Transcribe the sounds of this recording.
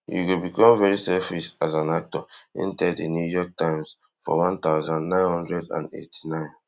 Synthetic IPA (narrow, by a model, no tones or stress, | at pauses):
jṵɡobikɔ̃mvɛɹisɛfisazãnak̚tɔḭ̃ntɛdenjujɔk̚tãɪ̃ms | fɔ̰wɔ̃nt̪aʊzãnnãɪ̃nhɔ̃ndɹɛdã̰nḛtʰi̥nãɪ̃n